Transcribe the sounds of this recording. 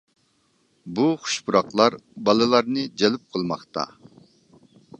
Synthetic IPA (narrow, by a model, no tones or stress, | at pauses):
buχʊ̥ʃbuɾɑqlˠɑɾbɑlˠɨlˠɑɾnɨd͡ʒɛlɪp̚qʰəlˠmɑχt̪ɑ̰